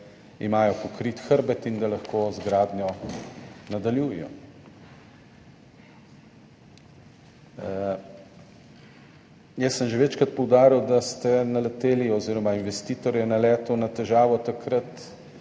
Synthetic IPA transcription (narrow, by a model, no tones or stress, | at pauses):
ḭmaːjɔpɔkɾit̪xəɾbɛt̪ind̪alɐxkoːzɡɾaːd̪njɔ | nad̪aljuːjɛjɔ̰ | jɛsːəmʒeʋɛːt͡ʃkɾat̪̚pɔwd̪aːɾiwd̪ast̪ɛnalɛt̪eːliɔziːɾɔmainʋɛst̪iːt̪ɔɾjɛnalɛːt̪ɔnat̪ɛʒaːʋɔt̪akɾət̪